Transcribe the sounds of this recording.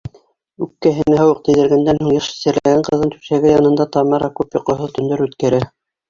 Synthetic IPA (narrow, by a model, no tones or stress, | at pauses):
ʉkːæɦɘ̆nɘɦɑwɤq̚t̪ɘ̆jðɘ̆ɾɡænd̪ænhuɴjɤʃsɘ̆ɾlæ̰ɡæɴqɤ̆ðːɤnt̪ʉ̥sæɡɘjɑnɤ̆nd̪ɑt̪ɑmɑɾɑkʉpjŏqŏɦoðt̪ɵ̆nd̪ɵɾʉt̪kæɾæ